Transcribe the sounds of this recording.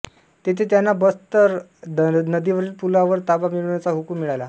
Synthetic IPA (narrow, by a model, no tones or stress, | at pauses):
t̪et̪ʰet̪janːabəst̪əɾ | nəd̪iʋəɾiːlpulaʋəɾt̪abamiɭuɳjat͡saɦukumiɭajla